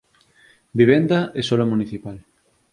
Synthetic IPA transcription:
biβ̞end̪aʔesolamuniθipal

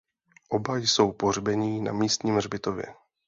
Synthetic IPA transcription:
ʔo̞bajso̞wpor̝bɛɲiːna̰miːst̪ɲiːmrbɪt̪o̞vjɛ̰

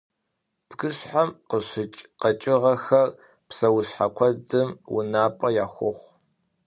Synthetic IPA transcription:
b̥ɡɨɕħamqəɕɪt͡ʃʼqɐt͡ʃʼɪʁɐxɐr | psɐwʊɕħakʷʰɔdɨmwʊ̰naːpʼɐjaːxʷʊχʷ

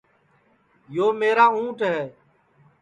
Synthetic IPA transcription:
joːmeːɾãːũːʈɦɛː

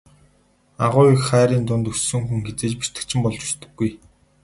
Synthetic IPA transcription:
aʁʊːikχæːɾiːnt̪ʊnt̪ɵssɵ̆ŋxuŋɡet͡seːt͡ɕpi̥t̪ɘ̆k̚t͡ɕʰɪ̆mpɔɮt͡ɕu̥t͡ɕt̪ɘ̆ɡːuj

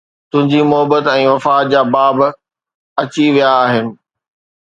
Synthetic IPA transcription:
t̪ʊ̃ɦɪ̃ɲd͡ʑiːmʊɦəbət̪ɛ̃ːʋɐfaːt̪̚d͡ʑaːbaːb | ɐt͡ɕiʋijaːɦɪnɪ̆

